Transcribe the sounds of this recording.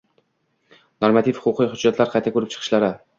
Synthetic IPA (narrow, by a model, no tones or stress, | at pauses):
noɾmat̪ʰifhʊ̥qʊqʰɨjhʊd͡ʒːat̪ʰlaɾqʰɑjt̪ʰakʰɵɾɪp̚t͡ʃʰɨ̥qʰɨ̥ʃlaɾɪ